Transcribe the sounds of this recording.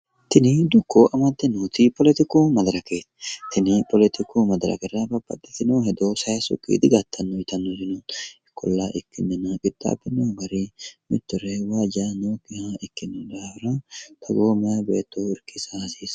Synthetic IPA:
t̪ɪnɪd̪ʊkʰːoːʔɐmɐd̪ːɛnuːt̪ɪpɔlɛt̪ɪkoːmɐd̪ɐɾɐkeːt̪t̪ʰɪnɪpɔlɛt̪ɪkʰuːmɐd̪ɾɐ̰kɛɾɐbɐpːɐ̰t̪ʼːɪt̪ɪnoːhɛd̪oːsɐjɐsʊ̰kʼːḭːd̪ɪɡɐt̪ʰːɐnːoɪt̪ɐnːohɪnuːɪkːɔlːaːʔɪkːɪnːɛnɐkɪt̪ʼːa̰ːbːɪnoːɡɐɾimɪt̪ːʊɾɛwaːd͡ʒaːnoːkɪhaɪkːɪnːɪdaːhɾɐt̪ʰɐɡoːmɛjɐbḛːt̪ːoɪɾkɪsahɐsiːs

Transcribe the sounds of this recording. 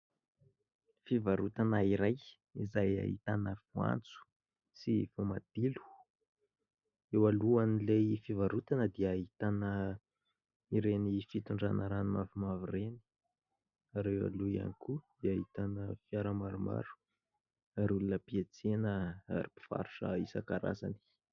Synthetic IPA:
fivaɾut̪anaiɾaj | izaja̰ɦit̪anəfua̰nt͡su̥ | sifomad̪̥ilu̥ | ewaluanilefivaɾut̪anəd̪iːɦit̪anə | iɾenifit̪uɳɖ͡ʐanəɾanimavimavireni̥ | aɾewa̰luia̰nikudiaɦit̪anəfiaɾəmaɾuma̰ɾu̥ | aɾulunəpiet͡senəa̰ɾipi̥fa̰ɾu̥ʂəisakaɾa̰za̰ni̥

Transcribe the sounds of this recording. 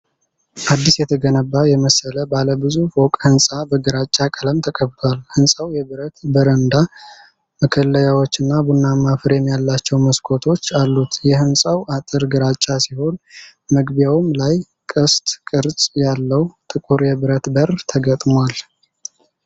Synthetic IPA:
ʔad̪ːisjɛt̪ʰəɡənəbːajɛməsələbaləbɨzufokʼhɨnsʼabəɡɨɾat͡ʃʼːakʼələmt̪ʰəkʼəβt̪ʰwalhɨnsʼawjɛβɨɾət̪bəɾənd̪a | məkʰəlːəjawot͡ʃːɨnːabunːamafɨɾjɛmːjalːat͡ʃːɛwməskʰo̞t̪ʰo̞t͡ʃːalːut̪jɛhɨnsʼawʔat̪ʼɨɾɡɨɾat͡ʃʼːasiho̞n | məɡbjawɨmlaj | kʼəst̪ʼkʼɨɾsʼjalːəwt̪ʼɨkʼuɾjɛβɨɾət̪bərt̪ʰəɡət̪ʼmal

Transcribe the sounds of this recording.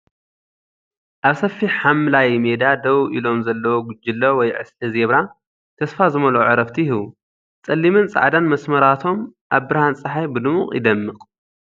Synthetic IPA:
ʔaβsɐfːiħamlajmed̪ad̪ɐwʔḭlo̞mzɐlːɐwoɡʊd͡ʒːɪlːowɔjʕɨ̰sɨzeβɾa | t̪ʰɐsfazɨmɐloʕɨɾɐft̪ʰihi | t͡sʼɐlːimɨnt͡sʼa̰ʕd̪anmɐsmɐɾat̪ʰo̞mʔaβbɨɾhant͡sʼaħajbɨd̪ɨmuχʼjɪ̰d̪ɐmːɨkʼ

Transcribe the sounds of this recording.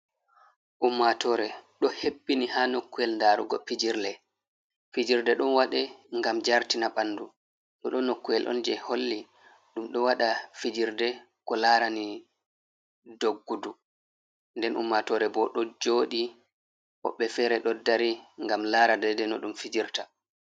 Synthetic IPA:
ʔumːatɔɾɛɗɔhepːinihanokːuɛlndaːɾuɡɔfid͡ʒiɾlɛ | fid͡ʒiɾdɛɗɔnwaɗɛŋɡamd͡ʒaɾtinaɓandu | ɗɔɗɔnokːujɛlʔɔ̰nd͡ʒɛholːi | ɗumɗɔwaɗafid͡ʒiɾdɛ | kɔlaːɾani | doɡːudu | ndɛnṵmːatɔɾɛbɔɗɔd͡ʒoːɗi | ɓɔ̰ɓːɛfɛɾɛɗɔdaɾiŋɡamlaɾadɛdɛnɔɗumfid͡ʒiɾta

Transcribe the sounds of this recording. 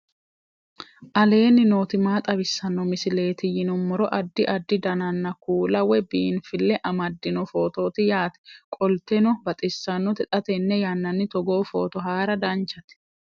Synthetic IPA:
ʔɐle̞ːnːɪnoːt̪ɪmaːt̪ʼɐbɪsːɐnːɔmɪsɪle̞ːt̪ɪjɪnʊmːɔɾɔʔɐd̪ːɪʔɐd̪ːɪd̪ɐnɐnːɐkuːlɐwɛbiːnfɪlːɛʔɐmɐd̪ːɪnɔfo̞ːt̪o̞ːt̪ɪjaːt̪ɛ̥kʼɔlt̪ɛnɔbɐt̪ʼɪsːɐnːɔt̪ɛt̪ʼɐt̪ɛnːɛjɐnːɐnːɪt̪ɔɡo̞ːfo̞̰ːt̪ɔɦaːɾɐd̪ɐnt͡ʃɐt̪ɛ̥

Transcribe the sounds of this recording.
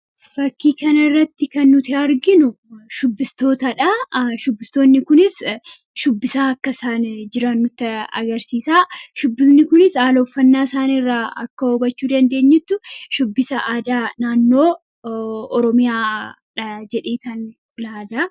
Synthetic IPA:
fɐkːiːkɐnɐɪrːɐt̪ːɪkɐnːʊt̪ɪɐɾɡɪnʊ | ʃʊbːɪst̪o̞ːt̪ɐᶑɐʃʊbːɪst̪oːnːɪkʊnɪs | ʃʊbːɪsaːɐkːɐsaːnd͡ʒɪɾɐnːʊt̪ːɐɐ̰ɡɐɾsiːsaːʃʊbːɪsnɪkʊnɪsaːloːfːɐnːaːsaːnɪrːaːɐ̰kːɐɔbɐt͡ʃːuːd̪ɐnd̪e̞ːɲːɪt̪ːʊʃʊbːɪsɐʔaːd̪aːnaːnːoː | ɔɾɔmɪjaː | ᶑɐd͡ʒɛᶑeːt̪ɐn | laːd̪aː

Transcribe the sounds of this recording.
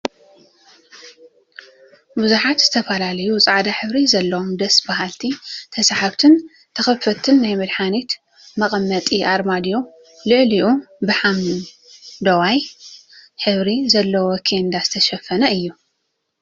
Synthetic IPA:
buzuħat̪z̥ɨt̪ʰɐfɐlalɐjut͡sʼaʕd̪aħɨβɾizɐlːɐwomd̪ɐsbaɦalt̪ʰit̪ʰɐsaħaβt̪ʰɨn | t̪ʰɐxɐfɐt̪ʰːɨnːajmɨd̪ħanit̪ | mɐqʼɐmːɐt̪ʼiʔaɾmad̪jo | lɨʕliʔubɨħam | d̪ɐwaj | ħɨβɾizɐlːɐwokʰend̪azɨt̪ʰɐʃɐfɐnɐɨjːu

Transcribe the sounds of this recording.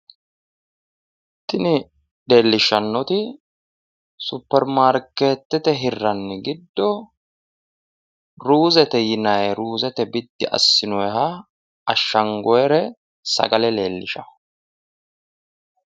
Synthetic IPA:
t̪ːɪnɪ | le̞ːlːɪʃːɐnːɔt̪ɪ | sʊpːɛɾmaːɾkːeːt̪ːɛt̪ɛɦɪrːɐnːɛɡɪd̪ːɔ | ɾuːzɛt̪ɛjɪnɐjɾuːzɛt̪ɛbɪd̪ːɪʔɐ̰sːɪnɔɛɦɐ | ɐʃːɐŋɡɔjɛɾɛ | sɐ̰ɡɐlɛle̞ːlːɪʃɐ

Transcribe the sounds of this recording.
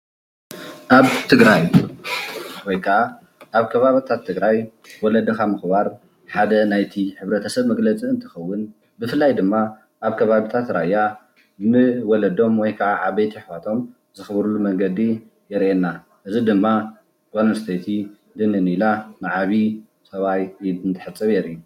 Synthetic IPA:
ʔaβt̪ʰɨɡɾaj | wɔjkʰɐʔa | ʔaβkʰɐβaβit̪ʰat̪ʰːɨɡɾaj | wɔlɐd̪ɐkʰamɨxβaɾ | ħad̪ɐnajt̪ʰiħɨβɾɐt̪ʰɐsɐβmɐɡlɐt͡sʼiɨnt̪ʰɨ̥xɐwːʊn | bɨfɨlːajd̪ɨmːa | ʔaβkʰɐβaβit̪ʰat̪ɾajːa | mɨwɔlɐd̪o̞mwɔjkʰɐʕaʔaβejt̪ʰiħwat̪ʰo̞m | zɨxɨβɾulːumɐŋɡɐd̪i | jɛɾʔenːa | ʔɨzid̪ɨmːa | ɡonst̪ʰet̪ʰi | d̪ɨnɨnilanaʕaβi | sɐβajiɨnt̪ʰɨ̥ħɨt͡sʼːɨβjɛɾiu

